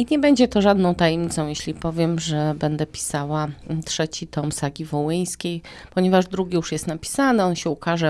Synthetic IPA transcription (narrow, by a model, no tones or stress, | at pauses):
iɲɛbɛɲd͡ʑɛt̪ɔʐad̪nɔ̃w̃t̪ajɛmʲɲit̪sɔ̃w̃jeɕlʲipɔvʲjɛmʐɛbɛnd̪ɛpʲi̥sawat̪ʂɛt͡ɕit̪ɔmsaɡʲivɔwɘj̃skʲej | pɔɲɛvaʐd̪ɾuɡʲijuʂjɛst̪napʲi̥sanɛɔnɕɛukaʐɛ